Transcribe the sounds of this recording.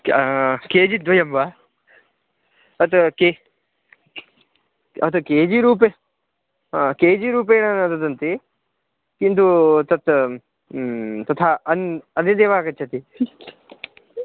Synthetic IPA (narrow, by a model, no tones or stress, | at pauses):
keːd͡ʒid̪ʋɐjɐmʋaː | ɐt̪ke | ɐt̪ɐkeːd͡ʒiɾuːp̬e | keːd͡ʒiːɾuːp̬eːñɐnɐt̪ɐt̪ɐnt̪e | kint̪ut̪ɐt̪ | t̪ɐt̪ʰaːɐnɐned̪eːʋaːkɐt͡ʃʰɐt̪i